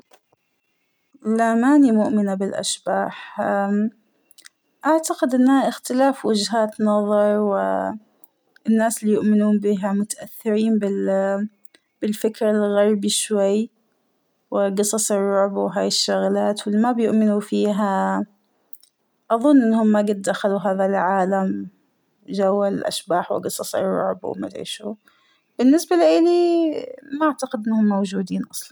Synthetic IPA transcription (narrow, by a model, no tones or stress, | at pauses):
lamaːnimʊʔmɪnabɪlʔa̰ʃbaːħ | ʔaʕt̪aqɪd̪ʔɪnːhaʔɪxt̪ɪlaːfwɪd͡ʒɦaːt̪nɑðˤɑɾˤwɪ̰ | ɪnːaːslijʊʔmɪnuːmbiɦamʊt̪aʔaθːɪɾiːmbɪ | b̥ɪlfɪkɾalɣɑɾˤbiʃwajː | wɪɡɨsˤɑsˤɨrˤːʊʕbwɦaːjɪʃːʊɣlaːt̪wɪlːimabjʊʔmɪnufiːɦa | ʔɑðˤʊnːʔɪnːhʊmːaɡɪd̪̚ːaxaluɦaːðalʕaːlam | d͡ʒawːalʔa̰ʃbaːħwɪ̰ɡɨsˤɑsˤɨ̰rˤːʊ̰ʕbw̰ma̰t̪ʕḭːʃṵ | b̥ɪnːɪsbaliʔɪli | maʔaʕt̪aqɪd̪ʔɪnːahʊmːowd͡ʒuːd̪iːnʔɑsˤlɑn